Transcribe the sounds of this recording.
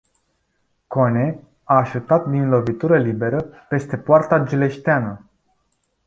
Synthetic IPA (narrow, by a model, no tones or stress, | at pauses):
kone̞ | aːʃut̪at̪̚d̪inlo̞vit̪uɾəlibe̞ɾəpe̞st̪e̞poart̪ad͡ʒile̞ʃt̪eanə